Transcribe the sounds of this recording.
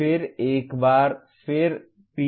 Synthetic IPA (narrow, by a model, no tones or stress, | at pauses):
ɪɾeːkbaːɾ | fʰɪɾ | pi